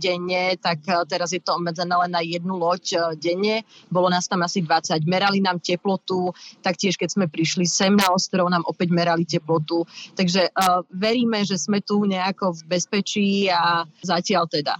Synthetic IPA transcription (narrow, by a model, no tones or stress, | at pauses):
ɟɛɲɛt̪akt̪ɛɾazjɛt̪ɔɔbmɛd͡zɛnɛːlɛnːajɛd̪nulɔcɟɛɲɛbɔlɔnaːst̪amasid̪ʋat͡saɟmɛɾalinaːmcɛplɔt̪ut̪akcɪɛʃkɛzmɛpɾiʃlisɛmnaɔst̪ɾɔʊnaːmʔɔpɛɟmɛɾalicɛplɔt̪ut̪aɡʒɛʋɛɾiːmɛʒɛzmɛt̪uɲɛakɔvbɛspɛt͡ʃiːazacɪalt̪ɛd̪a̰